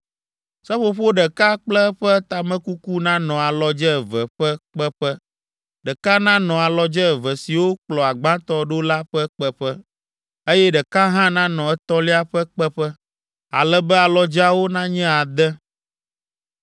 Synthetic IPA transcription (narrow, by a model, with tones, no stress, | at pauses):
sɛ˦ɸo˨ɸo˦ɖɛ˨ka˦k͡plɛ˦ɸɛ˦t̪a˨mɛ̃˦ku˦ku˦nã˦nɔ̃˨a˨lɔ˨d͡ʒɛ˦˨vɛ˨ɸɛ˦k͡pɛ˦ɸɛ˦ | ɖɛ˨ka˦nã˦nɔ̃˨a˨lɔ˨d͡ʒɛ˦˨vɛ˨si˨wo˦k͡plɔ˨a˨ɡ͡bã˦t̪ɔ˦ɖo˦la˦ɸə˦k͡pɛ˦ɸɛ˦ | e˦jɛ˦ɖɛ˨ka˦ɦã˦nã˦nɔ̃˨ɛ˦t̪ɔ˦li˦a˦ɸɛ˦k͡pɛ˦ɸɛ˦ | a̰˨lɛ˦bɛ˦a˨lɔ˨d͡ʒa˦wo˦nã˦ɲɛ̃˦a˨d̪ɛ˦